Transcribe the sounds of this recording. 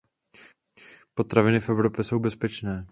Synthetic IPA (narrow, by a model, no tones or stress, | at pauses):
po̞t̪ɾavɪnɪfʔɛvɾo̞pjɛso̞wbɛspɛt͡ʃnɛː